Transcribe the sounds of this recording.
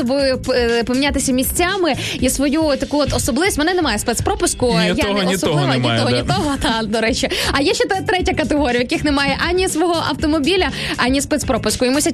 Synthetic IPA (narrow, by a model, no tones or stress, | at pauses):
ɔbɪppɔmʲinʲat̪ɪsʲɐmʲisʲt͡sʲamɪ | isʋɔjut̪ɐkuɔt̪ɔsɔblˠɪʋʲistʲmnɛnɛmɑjɛspɛt̪spɾɔpʊskʊjanɛɔsɔlˠɪʋɐnʲit̪ɔɔnʲit̪ɔɦɔt̪ɑd̪ɔɾɛt͡ʃɪɐjaʃɛt̪ɛt̪ɾɛtʲɐkɐt̪eɦɔɾʲɐʋjɐkɪxnɛmɑjɛʔɑnʲːisʋɔɦɔʔɐ̰wt̪ɔmɔbʲilʲɐ | ɑnʲːispɛt̪spɾɔpʊskʊimusʲɐ